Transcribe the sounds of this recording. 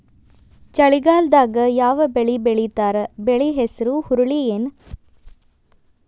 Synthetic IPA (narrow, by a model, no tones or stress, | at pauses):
t͡ʃɐɭiɡaːld̪aːɡɐjaːʋɐbeɭibeɭit̪aːɾɐbeɭiɦesɐɾuhuɾuɭijen